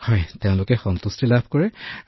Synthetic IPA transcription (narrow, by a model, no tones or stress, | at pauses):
hɔjteʊ̃lʊkɛxɔnt̪ustilabʱkɔɹɛ